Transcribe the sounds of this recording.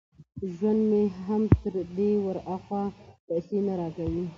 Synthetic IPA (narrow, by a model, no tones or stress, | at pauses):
ʒwand̪meɦamt̪əɾd̪ewəɾaxwɑpɛjsenaɾɑkawi